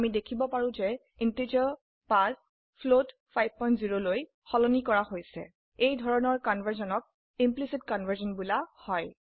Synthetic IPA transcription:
amidekʰibɔpaɹũzɛ | intid͡ʒiɔ | pas | pʰlot | pʰajb̚ʱpɔj̃ntziɹoloj | xɔlɔnikɔɹahojsɛ̰ | ejdʱɔɹɔnɔɹkɔnvʱaɹzɔnɔk̚ | implisitkɔnvʱaɹzɔnbulahɔj

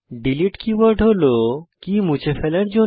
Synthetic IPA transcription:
ɖiliʈkiʋəɾɖʱɦolokimũt͡ɕefʰelɛɽd͡ʑo

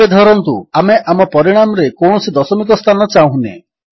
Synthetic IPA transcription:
ed̪ʱɔɾɔnt̪uameʔʔamɔpɔɾiɽ̃amɔɾekɔwɳ̃ɔsid̪ɔsɔmik̬ɔst̪ʰanɔt͡ʃaũɦnḛ

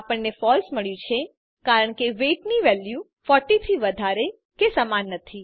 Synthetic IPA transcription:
apəɳnefɔlsməɭjũt͡ʃʰe | kaɾəɳkeʋeʈniʋɛlju | fɔʈit̪ʰiʋəd̪ʱaɾe | kesəmanːət̪ʰi

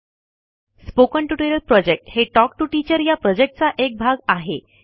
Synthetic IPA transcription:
spokəɳʈuʈojɾəlpɾɔd͡ʑek̚ʈheʈɔk̚ʈuʈit͡ɕəɾjapɾɔd͡ʑek̚ʈ̚t͡saʔek̚bʱaɡaɦe

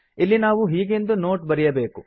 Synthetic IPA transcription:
ilːinaːʋuɦiːɡend̪uno̞ːʈbɐɾijɐbe̞ːku

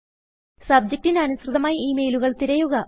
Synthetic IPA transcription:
sɐb̚d͡ʑɐk̚ʈinɐnuɕrɨðɐmaːjiiːmejluɣɐɭt̪iɾɐjuɣɐ

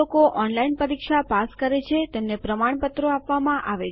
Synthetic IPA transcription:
okoʔɔnlainpəɾikʃapaskəɾet͡ʃʰet̪emnepɾəmaɳ̃pət̪ɾoapʋamãʔaʋe

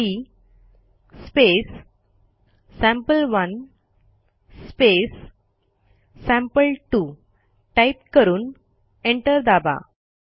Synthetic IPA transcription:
iː | spes | æ̃mpəlʋən | spes | æ̃mpəlʈu | ʈajp̚kəɾuːn | eɳʈəɾd̪aba̰

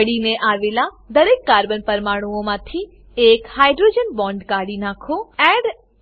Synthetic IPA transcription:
ɽineʔaʋela | d̪əɾekːaɾbənpəɾmaɽ̃uõmãt̪ʰi | ekhajɖɾod͡ʒənbɔ̃ɳɖkaɽinãkʰoɛɖ

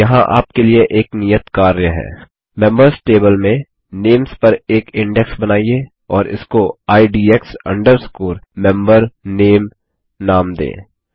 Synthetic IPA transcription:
jɐɦãʔa̰ːp̚kelieʔeːknijət̪kaːɾjəɦɛ̰ː | mɛ̃mbəɾsʈeːbəlmẽ | neːmspɐɾeːkɪ̃ɳɖɛksbɐnaːie | ɔːɾɪ̰skoaːiɖiːeksɐ̰̃ɳɖəɾskuːɾmɛ̃mbəɾneːm | naːmd̪ḛ̃ː

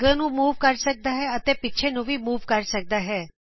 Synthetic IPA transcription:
ɡənũmuːʋkəɾsək̚d̪aɦɛət̪epɪtːt͡ʃʰenũʋimuːʋkəɾsək̚d̪aɦɛː

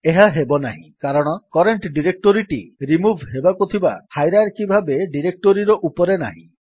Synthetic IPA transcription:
eɦaɦebɔnaɦḭ̃kaɾɔɽ̃ɔkɔɾeɳʈɖiɾek̚ʈoɾiʈḭɾimubʱɦebakut̪ʰibahajɾaɾkibʱabeɖiɾek̚ʈoɾiɾɔʔupɔɾena̰ɦḭ̃

